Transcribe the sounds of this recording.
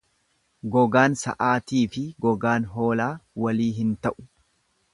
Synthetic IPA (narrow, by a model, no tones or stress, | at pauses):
ɡɔɡaːnsɐ̰ʔaːt̪iːfɪɡɔɡaːnɦo̞ːlaːwɐliːɦɪnt̪ɐʔʊ̥